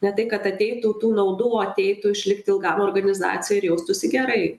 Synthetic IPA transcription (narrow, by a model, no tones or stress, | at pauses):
nʲɛt̪ɐɪkɐt̪ɐt̪ʲɛɪt̪uːt̪uːnɐʊd̪uoːɐt̪ʲɛɪt̪uɪʃʲlʲɪkt̪ʲɪlˠɡɑːmoːrɡɐnʲɪzɑ̰ːt̪t͡s̪ʲɪjɛɪɾjɛʊst̪ʊsʲɪɡʲɛɾɐɪ